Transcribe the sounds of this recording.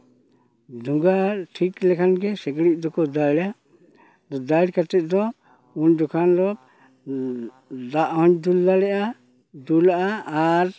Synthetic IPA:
d̪ʱuŋɡaɾʈʰiklɛkʰanɡɛsɛkɽit̪̚d̪ɔkɔd̪ala | d̪ɔd̪aɽkat̪ɛt̪̚ˀd̪ɔ | und̪ɔkʰanlɔb̚ | d̪aʔɦɔɲd̪ulːalɛʔa | d̪ulaʔaːɾ

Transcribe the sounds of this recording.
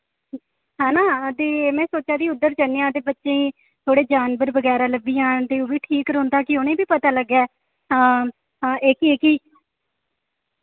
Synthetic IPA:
ɦãːnaːd̪eːmɛ̃ːsoːt͡ʃaːd̪iːʊd̪ːəɾt͡ʃəneãːd̪eːbətːʃẽːiː | t̪ʰoːɽeːd͡ʒaːnbəɾbəɡɛːɾaːləbiːãːd̪eːoːbiːʈʰiːkɾoːnd̪aːkɪʊnẽːbiːpət̪aːləɡːɛː | eːkieːkiː

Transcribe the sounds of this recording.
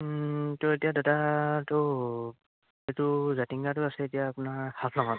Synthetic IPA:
toetijadotatɔ | etʊzatiŋɡat̬ʊasɛetijaːpʊnaɹhapʰnɔŋɔt

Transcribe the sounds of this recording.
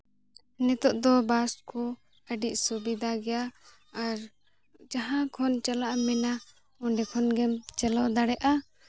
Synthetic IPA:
nɛt̪ɔʔd̪ɔbaskʰɔ | əɖiʔ̚subid̪ʱaɡɛjaː | ɾ | d͡ʒaɦãkʰɔnt͡ʃalaʔmɛna | ɔɳɖɛkʰɔnɡɛmt͡ʃɛlɔd̪aɽɛʔa

